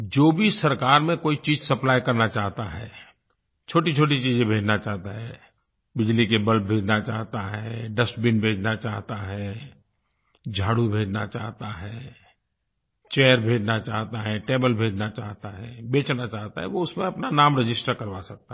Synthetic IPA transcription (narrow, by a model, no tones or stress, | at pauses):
d͡ʒoːbʱisɐɾkaːɾmẽkoːit͡ʃiːzsɐplaːjkɐɾnat͡ʃaːɦt̪aɦɛ̰ː | t͡ʃʰoːʈit͡ʃʰoːʈ̬it͡ʃiːd͡ʒẽbʱeːd͡ʒnat͡ʃaːɦt̪aɦɛː | bɪd͡ʒlikebəl̚bʱeːd͡ʒnat͡ʃaːɦt̪aɦɛɖɐsʈbɪnbʱeːd͡ʒnat͡ʃaːɦt̪aɦɛː | d͡ʒʱaːɽubʱeːd͡ʒnat͡ʃaːɦt̪aɦɛː | t͡ʃeːəɾbʱeːd͡ʒnat͡ʃaːɦt̪aɦɛʈeːbəlbʱeːd͡ʒnat͡ʃaːɦt̪aɦɛːbeːt͡ʃʰnat͡ʃaːɦt̪aɦɛ̰ʋoʊsmẽɐpnanaːmɾɪd͡ʒɪsʈəɾkɐɾʋasɐk̚t̪a